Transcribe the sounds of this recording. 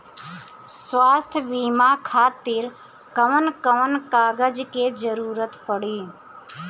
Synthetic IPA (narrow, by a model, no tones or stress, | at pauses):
swaːst̪ʰbiːmaːkʰaːt̪iːɾ | kəʋənkəʋənkaːɡəd͡ʒked͡ʒəɾuːɾət̪pəɽiː